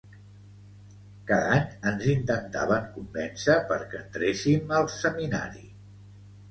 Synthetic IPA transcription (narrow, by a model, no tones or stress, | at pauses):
kaðaɲənzint̪ənt̪a̰βəŋkumbɛnsəpəɾkənt̪ɾesiməlˠsəmina̰ɾḭ